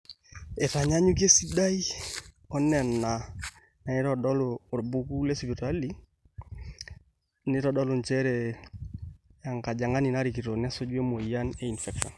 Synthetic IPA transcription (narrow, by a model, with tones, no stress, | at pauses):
e˨ta˨ɲa˦ɲu˦k̬i˦e˦si˦da˦i˦ | ɔ˦nɛ˨nːa˨ | na˨ɪ˦ɾɔ˨ɗɔ˦loː˨ɾbu˦ku˦lɛ˦si˨bi˨ɾa˦li˦ | nɪ˦ɾɔ˨dɔ˦lo˨nt͡ʃɛ˦ɾɛ˨ | ja˨ŋka˨d͡ʒa˨ŋa˦ni˨na˦ɾi˨ki˨to˨nɛ˦so˦d͡ʒu˦e˦mo˨ija˦ne˨i˨nfɛ˦kʃɔ˨n